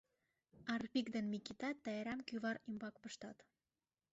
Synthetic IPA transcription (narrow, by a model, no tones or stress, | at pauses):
ɑrpikd̪ĕnmikit̪ɑt̪ːæjeɾæmkyβɑɾimbɑkpɤ̆ʃt̪ɑt̪